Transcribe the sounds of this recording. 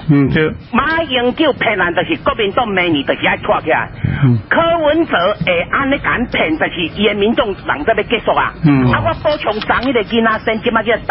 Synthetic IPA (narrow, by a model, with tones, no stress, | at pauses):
m̩˨˦ | mã˦i˧ŋkji˦˨pʰɛ˨na˨nt̪ə˨˩ɕi˨kɔ˦bi˧nt̪ɔ˥˧˨ŋmɛ̃˧nĩ˨t̪ə˨ɕi˨a˦˧˨t̪ʰwa˧˨kʰji˧˦a̰˨kʰəː˦wu˧˦nt͡səː˨˦e˨˩ʔa˦˨nle˦ka˨˦npʰɛ˨˩nt̪ə˨ɕi˨˩i˧e˧mĩ˧˦nt͡sɔ˧ŋla̰˨˦ŋt͡sə˦˨be˦ke˦˧sɔ˧k̚a̰˧˨a˦ɡwa˦kɔ˦t͡ɕʰjʊ˨˧˦ŋt͡sa˧˦ŋi˦te˧ɡi˦na˦sɛ˦nt͡ɕi˦ma˧ki˦˧˩